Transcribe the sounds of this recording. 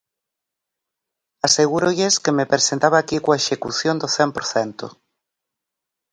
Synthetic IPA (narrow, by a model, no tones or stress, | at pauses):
aseɣuɾoʎeskemepɾesent̪aβakikoaeʃekuθjond̪oθɛmpoɾθɛnt̪o̰